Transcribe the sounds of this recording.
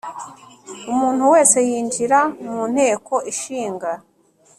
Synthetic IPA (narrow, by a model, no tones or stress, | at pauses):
umuːn̥huwe̞ːse̞jiːɲd͡ʒiɾamun̥he̞ːko̞ʔiʃiːŋɡa